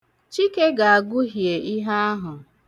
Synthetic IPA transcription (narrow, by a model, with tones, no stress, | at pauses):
t͡ʃi˦ke˦ɡa˨a˨ɡʊ˦ɦje˨ʔi˦ɦa˦a˦ɦʊ˨